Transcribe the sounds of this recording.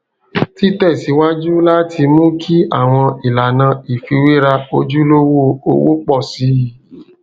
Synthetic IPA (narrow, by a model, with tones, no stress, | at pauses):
ti˦tɛ˦˨si˨˦wa˦d͡ʒu˦la˦tʰi˧mũ˦kʰi˦a˦˨w̃ɔ̃˧i˨la˨nã˧i˨fi˧we˦ɾa˧o˧d͡ʒu˦lo˦wo˦o̰˧wo̰˦k͡pɔ˦˨si˨˦i˨